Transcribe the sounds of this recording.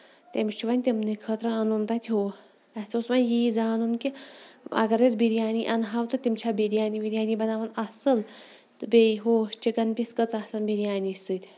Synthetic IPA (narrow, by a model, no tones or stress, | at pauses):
t̪ʲemit͡ʃʰuʋanʲt̪ʲemnikʰət̪ɾɐɐnunt̪at̪ʰʲɦo | ɐt͡sosʋanjid͡zaːnunkiɐ̰ɡɐɾet͡sbiɾijaːniʔɐnɦawt̪ɨt̪imt͡ʃʰabiɾjaːniʋiɾʲjaːnibɐnaːʋɐnɐsɨl | ɨbʲejɦoːɕt͡ʃiɡɐnpʲiskət͡sasɐnbiɾʲjaːnisɨt̪ʲ